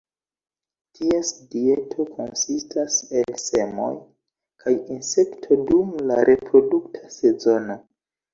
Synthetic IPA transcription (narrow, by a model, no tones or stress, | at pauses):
tʰie̞sdie̞tʰo̞kʰo̞̰nsistʰase̞lse̞mo̞̰j | kʰajinse̞ktʰo̞dumlaɾʔe̞pɾo̞duktʰase̞zo̞no